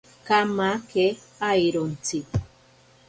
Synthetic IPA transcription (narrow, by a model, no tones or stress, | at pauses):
kamake | ajɾont͡si